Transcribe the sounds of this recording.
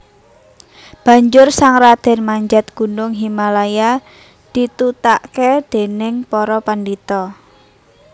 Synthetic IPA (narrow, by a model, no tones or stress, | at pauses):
b̥ä̤ɲd͡ʒʊrsaŋrad̪̥ɛ̤nmaɲd͡ʒat̪̚ɡ̥ṳnʊŋɦimalaja | d̪̥it̪ut̪aʔked̪̥e̤nɪŋpɔɾɔpandit̪ɔ